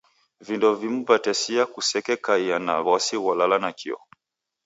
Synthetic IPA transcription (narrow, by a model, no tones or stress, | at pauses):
vindɔvim̩vatɛsiakusɛkɛkaiana̰βasiwalalanakʰḭɔ̰